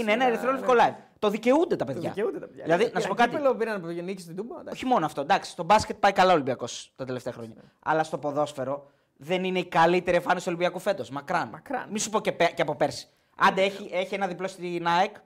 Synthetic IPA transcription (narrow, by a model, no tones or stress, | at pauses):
ineenɐeɾiθɾolifkolɐiv | t̪o̞ðice̞und̪e̞t̪ɐpe̞ðʝɐ̰eund̪et̪ɐeʝðilɐðinɐsupokɐlopiɾɐnɐpnikst̪id̪ubɐoçimo̞noɐft̪o̞d̪ɐksi̥st̪o̞bɐscet̪̚pɐikɐlɐolimbiɐko̞st̪ɐt̪e̞le̞ft̪e̞ɐxɾo̞ɲɐ | ɐ̰lɐst̪o̞po̞ðo̞sfe̞ɾo̞ | ðe̞nine̞ikɐlit̪e̞ɾiefɐnest̪olibiɐkufe̞t̪osmɐkɾɐnkɾɐ̰nminsu̥po̞ce̞peceɐpo̞pe̞ɾsi̥ | ɐ̰nd̪eeçiʔe̞çie̞nɐðiplost̪inɐek